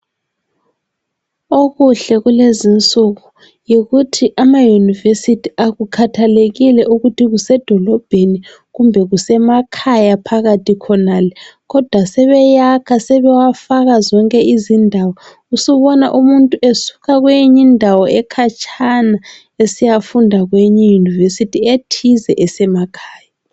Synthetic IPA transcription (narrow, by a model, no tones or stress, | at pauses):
oɣuɬɛɣulezint͡sʼuɣu | jiɣutʰiʔamajunivesitʰiaɣukʰatʰaleɣilɛʔuɣutʰiɣusɛd̥ʱɔlɔb̥ʱeni | ɣumbʱɛɣusɛmakʰajapʰaɣatʰikʰɔnalɛɣɔd̥ʱwasɛβɛjakʰasɛβɛwafaɣazɔŋkʼɛizindʱawɔ | usuβɔnaʔumuntʼuʔesu̥ɣaɣwejiɲindʱawɔɛkʰat͡ʃʼʰana | esijafundʱaɣweɲɛjunivesitʰietʰizɛʔɛsɛmakʰaːja